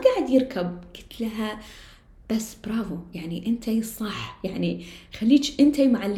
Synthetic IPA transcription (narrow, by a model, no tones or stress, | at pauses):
ɡaːʕɪd̪jɪɾkʰabkɪ̥t̪lɦa | b̥asːbɾˤɑːvujaʕniʔɪnt̪ʰajsˤɑħjaʕnixalːiːt͡ʃʔɪnt̪ajmʊʕalː